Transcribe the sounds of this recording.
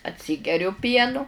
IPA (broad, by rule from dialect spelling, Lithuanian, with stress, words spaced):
ɐtʲˈsʲiːɡʲɛrʲʊ ˈpʲiɛnʊ